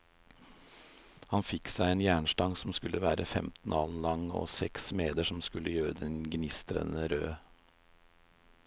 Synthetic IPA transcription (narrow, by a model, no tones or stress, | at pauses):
hɑnfɪksæɪeːnjæːɳʂʈɑŋsɔm̩skʉlʔəʋæːɾʔəfɛmt̪n̩ɑːln̩lɑŋo̰ːsɛksmeːd̪əʂɔmskʉləjøːɾəd̪ɛnɡnɪst̪ɾə̰nəɾøː